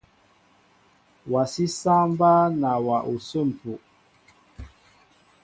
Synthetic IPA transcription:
wa˨si˦sa˦m˦baː˦na˨wa˨ʔu˨sə˦˨m̩˨pu˨ʔ

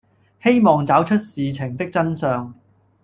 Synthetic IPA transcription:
he˥jmɔː˨ŋt͡saː˨˥wt͡ʃʰɵ˥t̚siː˨t͡sʰɪ˨˩ŋt̪ɪ˥k̚t͡sɐ˥nsœː˨˧ŋ

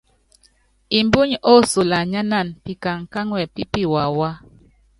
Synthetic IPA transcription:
i˨mbu˦ɲo˦su˨la˨ɲa˦na˦˨npi˨ka˨ŋka˦ŋwɛ˨pi˦pi˦˨wa˨wa˦

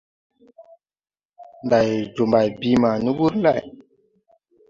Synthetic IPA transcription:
nda˨jd͡ʒu˨mba˨jbi˧ma˨ni˦wu˦ɾ̩˦la˦˨j

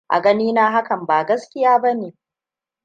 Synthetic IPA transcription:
ʔa̰˨ɡɐ˦niː˦naː˦ɦa˦kɐ˨mbaː˨ɡɐ˦skʲɪ˦jaː˦bɐ˦neː˨

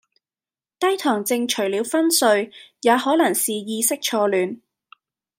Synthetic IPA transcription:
t̪ɐ˥jt̪ʰɔː˨˩ŋt͡sɪ˧ŋt͡ʃʰɵ˨˩ɥliː˨˧wfɐ˥nsɵ˧ɥjaː˨˧hɔː˨˥lɐ˨˩ŋsiː˨jiː˧sɪ˥k̚t͡ʃʰɔː˧lyː˨˧n

